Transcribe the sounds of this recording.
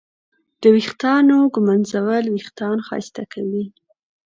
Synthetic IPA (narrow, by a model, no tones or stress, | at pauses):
d̪̥əwixt̪ɑnoɡumanzawəlwixt̪ɑnxɑ̰jst̪akʰawi